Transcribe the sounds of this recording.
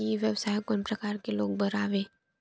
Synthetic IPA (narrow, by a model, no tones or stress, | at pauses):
iʋjəʋsaːjkonpɾəkaɾkeloːɡ̚bəɾaʋe